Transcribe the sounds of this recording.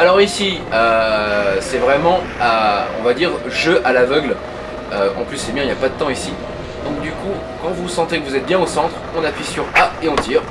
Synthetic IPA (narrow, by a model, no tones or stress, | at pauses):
alɔʁisiø | sɛvʁɛmɑ̃ | aɔ̰̃vad̪iʁʒøʔalavœɡl | øɑ̰̃plysːɛbjɛ̃iljapad̪ət̪ɑ̃isi | d̪ɔ̃k̚d̪yku | kɑ̃vusɑ̃t̪ekəvuzɛt̪̚bjɛ̃osɑ̃t̪χɔ̃napɥisyʁaeɑ̃t̪ʰiːʁ